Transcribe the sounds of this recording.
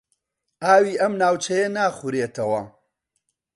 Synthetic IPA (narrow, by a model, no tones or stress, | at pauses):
aːwiːʔɐmnaːwt͡ʃʰɐjɐnaːχuɾeːt̪ʰɐwɐ